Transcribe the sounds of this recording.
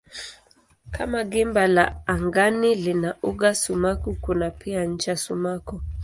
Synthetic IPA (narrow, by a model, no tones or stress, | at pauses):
kʰa̰maɡimbalaaŋɡanilinauɡasumakukunapʰian̩t͡ʃasumaku